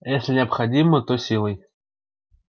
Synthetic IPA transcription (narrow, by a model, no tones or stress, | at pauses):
jesʲlʲɪnʲɪɐpxɐdʲimət̪osʲilˠəj